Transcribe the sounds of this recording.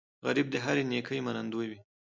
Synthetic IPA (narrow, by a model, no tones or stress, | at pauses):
ɣaɾib̚d̪əɦaɾinekʰəjmanand̪ujwi